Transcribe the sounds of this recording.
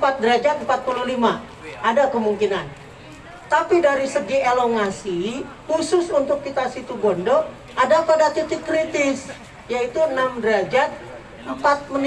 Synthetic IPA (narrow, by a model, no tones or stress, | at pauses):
pat̪̚dəɾad͡ʒat̪̚m̩pat̪̚pululima | ʔadakəmuŋkinan | t̪apidaɾisəɡieloŋasi | husʊsunt̪ʊkːit̪asit̪ubɔndɔ | ʔadapadat̪it̪ɪkɾit̪ɪs | jait̪uənamdəɾad͡ʒat̪̚ | əmpat̪̚mən